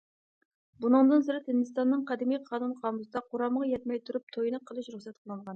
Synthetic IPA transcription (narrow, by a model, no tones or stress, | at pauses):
bunɨŋd̪ɨnsɨɾɨt̪hɪnd̪ɨst̪ɑnːɨŋqʰɑd̪ɪmijqʰɑːnunqʰɑmusɨd̪ɑqʰoɾɑməʁɑjɛt̪mɛjt̪ʰuɾup̚t̪ʰojnɨqʰːəlˠɨʃɾuχsɛt̪qʰəlˠɨɴʁɑn